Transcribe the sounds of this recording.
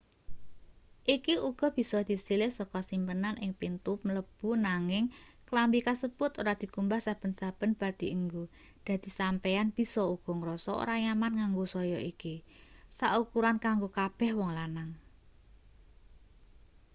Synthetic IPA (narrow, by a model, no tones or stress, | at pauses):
ʔikiuɡ̥ɔ̤b̥i̤sɔd̪̥i̤silɪhsɔkɔsimpənanʔɪŋpint̪ʊp̚mələb̥ṳnaŋɪŋklambikasəb̥ʊt̪oɾad̪̥i̤kumbahsab̥ə̤nsab̥ə̤nb̥a̤d̪̥i̤əŋɡo | d̪̥ä̤d̪̥i̤sampeanb̥i̤sɔuɡ̥ɔ̤ŋɾɔsɔo̰ɾaɲamankaŋɡosɔjɔikisaʔukuɾankaŋɡokab̥ɛ̤hwɔŋlanaŋ